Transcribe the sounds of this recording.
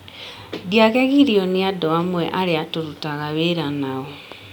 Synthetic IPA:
diaɣɛɣiɾiɔneadɔamwɛ̰ʔaɾeatoɾutaɣaweɾanaɔ

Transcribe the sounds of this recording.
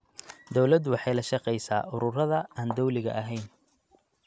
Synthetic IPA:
d̪ɔwlɐd̪wɑħɑjlɐʃɑqɛjsa̰ːʔʊɾʊrɐðɐaːnd̪ɔwlɪɣɐ̰ʔɐɦɛjn

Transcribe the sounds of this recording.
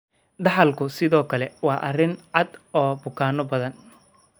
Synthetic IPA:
d̪ɑħɑlkʰʊsɪðɔːkʰɐlɛwɑːʔɐrɪnʕɑd̪ɔːbʊkʰaːnɔbɐðɐn

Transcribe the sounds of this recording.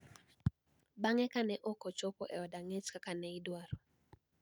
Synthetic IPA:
baŋɛkanɛʔɔkɔt͡ʃɔpɔ̰ʔɛɔdaŋet͡ʃkakanɛɪdwaɾɔ

